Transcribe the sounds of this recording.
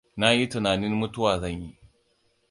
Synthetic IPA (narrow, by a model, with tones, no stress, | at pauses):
na˦ji˦tʊ˨naː˨nɪ˦nmʊ˦tʊ˦waː˨zɐ˦˨ɲji˦